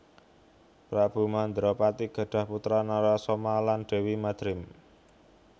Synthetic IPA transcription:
pɾab̥ṳmand̪ɾɔpat̪iɡ̥a̤ɖ̥a̤hput̪ɾanaɾasɔmalanɖ̥e̤wimad̪̥ɾɪm

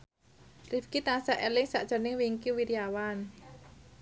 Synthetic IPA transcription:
rifkit̪asaʔelɪŋsaʔd̥ʒ̥ɔ̤nɪŋwiŋkiwiɾiawan

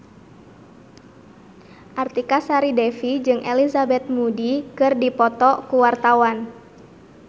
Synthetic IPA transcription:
ʔart̪ikasaɾidɛfid͡ʒɨŋʔelizabɛt̪̚mudikɨrdipɔt̪ɔkuwart̪awan

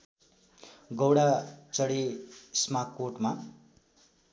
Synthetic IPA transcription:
ɡʌwɽat͡sʌɽesmakːoʈma

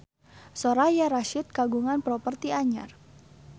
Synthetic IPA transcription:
soɾajaɾaʃɪt̪̚kaɡuŋanpɾɔpərt̪iaɲa̰r

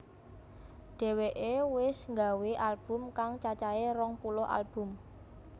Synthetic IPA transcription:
ɖ̥ɛ̤weʔewɪsŋɡaweʔalb̥ʊ̤mkaŋt͡ʃat͡ʃaerɔŋpulʊɦʔa̰lb̥ʊ̤m

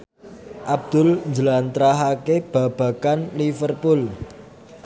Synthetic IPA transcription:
ʔab̚d̪̥ʊ̤lɲd͡ʒəlant̪ɾaɦakeb̥ä̤b̥ä̤kanlifərpʊl

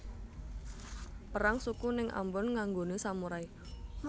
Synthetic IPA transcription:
pəɾaŋsukunɪŋʔa̰mbɔnŋaŋɡonesamuɾai

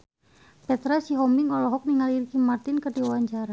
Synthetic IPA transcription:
pɛt̪ɾasiɦɔmiŋɔlɔɦɔk̚niŋalirkimart̪inkərdiwawaɲt͡ʃaɾa

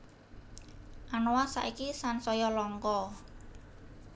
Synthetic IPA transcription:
ʔanowasa̰ʔikisansɔjɔlɔŋkɔ

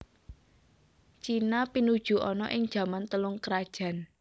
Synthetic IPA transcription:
t͡ʃinapinud̥ʒ̥ṳʔɔnɔʔɪŋ̥ʒ̥ä̤mant̪əlʊŋkɾad̥ʒ̥ä̤n

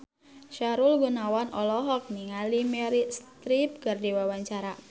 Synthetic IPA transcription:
ʃaɾulɡunawanɔlɔɦɔk̚niŋalimeɾist̪ɾip̚kərdiwawaɲt͡ʃaɾa

